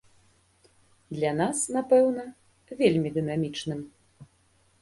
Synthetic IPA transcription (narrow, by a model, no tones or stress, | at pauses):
d̪lʲanasnapɛwnɐ | vʲelʲmʲid̪ɨn̪amʲit͡ʂnɨm